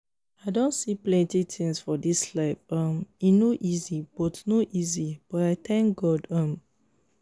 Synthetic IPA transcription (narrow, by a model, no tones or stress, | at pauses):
aɪdõntsiplɛ̃ntit̪ʰĩŋsfɔdislaɪfɔ̃minoʔizib̥ɔtnoʔizib̥ɔtaɪt̪ɛ̃ŋk̚ɡɔdɔ̃m